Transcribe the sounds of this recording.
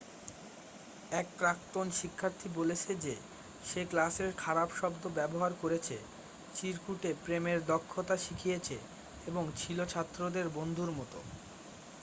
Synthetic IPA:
ɛk̚pɾak̚t̪onʃikʰːaɾt̪ʰibolet͡ɕʰed͡ʑe | ʃeklaseɾkʰaɾabʃɔbd̪obɛboɦaɾkoɾet͡ɕʰḛ | t͡ɕiɾkuʈepɾemeɾd̪ɔkʰːot̪aʃikʰijet͡ɕʰe | eboŋt͡ɕʰilot͡ɕʰat̪ːɾod̪eɾbond̪ʱuɾmɔt̪o̰

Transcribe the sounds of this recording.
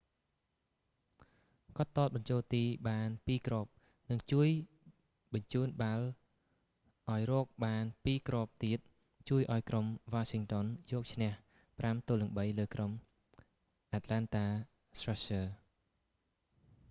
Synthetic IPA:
kɑt̪ːoːt̪̚ɓɑɲt͡ɕoːlt̪iːɓaːnpiːkrɔːp̚ | nɨŋt͡ɕuəj | ɓɑɲt͡ɕuːnɓal | ʔaɔjrɔːk̚ɓaːnpiːkrɔːp̚t̪iət̪̚ | t͡ɕuəjʔaɔjkromʋaːsiŋt̪onjɔːk̚t͡ɕʰnɛ̆əh | pramt̪oːlɨŋɓəjləːkrom | ʔat̪lant̪aː | sraɕəː

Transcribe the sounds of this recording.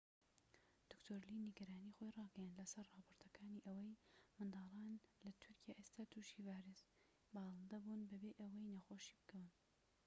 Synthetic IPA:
d̪̥ʊkt̪ʰoːɾlinɨɡɐɾaːniːxojrɑːɡɐjand̪lɐsɐrrɑːpʰoːɾt̪ʰɐkaːniːʔɐwɐjmɨnd̪ɑːlˠɑːnlɐt̪ʰʊɾkʰijaːʔeːst̪aːt̪ʰuːʃivaːɾes | bɑːlˠɨnd̪ɐbunbɐbeːʔɐwɐjnɐxoːʃi̥ːbɨkʰɐwɨn

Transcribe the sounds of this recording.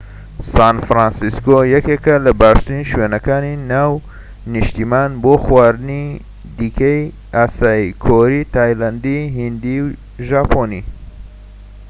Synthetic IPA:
saːnfɾansiskojɐkekɐlɐbaːɾst̪iniʃweːnɐkaːninaːw | niʃt̪imaːnboːxwaːɾɨni | d̪ikʰɐj | ʔaːsaːikʰoɾit̪ʰaːjland̪iɦind̪iw | ʒaːponi

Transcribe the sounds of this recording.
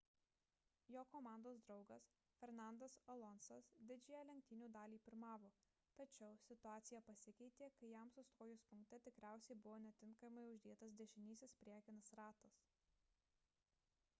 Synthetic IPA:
joːkomɑˑnd̪oːsd̪ɾɒʊɡɐs | fʲɛɾnɑˑnd̪ɐsɐlˠɔnsɐsd̪ʲɪd͡ʒʲejɛlʲɛŋʲk̚t̪ʲɪnʲuːd̪ɑːlʲiːpʲɪɾmɑːʋoː | t̪ɐt͡ʃʲɛʊsʲɪt̪ʊɑːt̪sʲɪjɛpɐsʲɪkʲɛɪt̪ʲeːkɐɪjæˑmsʊst̪oːjʊspʊŋkt̪ʲɛt̪ʲɪkɾʲæˑʊsʲɛɪbʊʋoːnʲɛt̪ʲɪŋkɐmɐɪʊʒʲd̪ʲeːt̪ɐsd̪ʲɛʃʲɪnʲiːsʲɪspʲɾʲæɛkʲɪnɐsɾɑːt̪ɐs

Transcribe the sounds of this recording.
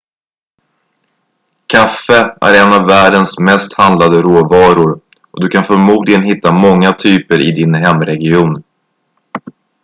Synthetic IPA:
kʰafəæ̰ɾɛnːavːæːɖənsmɛst̪hand̪lad̪əɾoːvɑːɾʊɾ | ɔd̪ɵkʰanfœɾmuːd̪lɪɡənɦɪt̪ːamɔŋːat̪ʰyːpəɾʔɪ̰d̪ɪnɦɛmːɾɛɡɪuːn

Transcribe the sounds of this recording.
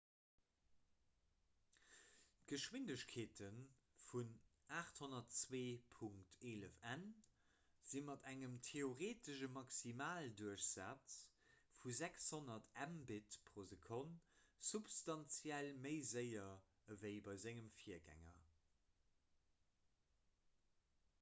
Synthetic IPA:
t̚ɡ̥əʃwindəɕkʰeːtʰən | funaːχthonɐtt͡sweːpʰuŋktʰeːləfæn | z̥inmɑtæŋəmtʰeoʁeːtəʃəmɑksimaːlduəɕz̥aːt͡st͡s | fuzækshonɐtʰæmbitpʰʁozəkʰonsupstɑnt͡sjælməɪzəɪɐ | əvəɪbɑɪzæŋəmfiɐɡæ̰ŋɐ̰

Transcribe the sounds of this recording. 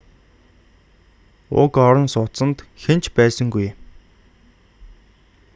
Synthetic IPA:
ʊ̰kɔɾɞ̆nsʊsə̆nt̪xen̥t͡ɕpæːsə̆ŋɡuj

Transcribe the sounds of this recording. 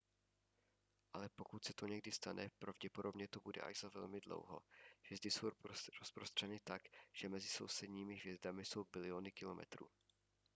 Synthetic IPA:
ʔalɛpo̞kut̪sɛt̪oɲɛɡdɪst̪anʔɛpɾavɟɛpodo̞bɲɛt̪obudɛ̰ʔa̰ʒz̥avɛlmɪdlo̰wɦo̞̰ɦv̥jɛzd̪ɪsowɾospɾost̪r̝̥ɛnɪt̪akʒ̥ɛmɛzɪso̞̰wsɛdɲiːmɪɦvjɛzdamɪso̞wbɪlɪonɪkɪlo̞mɛ̰t̪ɾṵː

